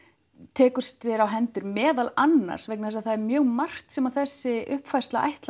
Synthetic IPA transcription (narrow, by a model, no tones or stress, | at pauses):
t̪ʰɛːkʏɾ̥st̪ɪɾawɦɛnt̪ʏɾmɛːðalanːa̰ɾ̥sveknaðɛs̬aðθaðɛɾmjœːɣmar̥t̪sɛmaθɛsːɪʏhpfajst̪laʔa̰jht̪l